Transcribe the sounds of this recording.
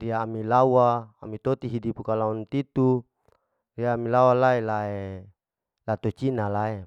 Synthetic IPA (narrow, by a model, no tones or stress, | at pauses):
riaːmilawa̰ːmit̪ot̪iɦidipukalaunt̪it̪u | riaːmilawalaelae | lat̪ot͡ʃinalae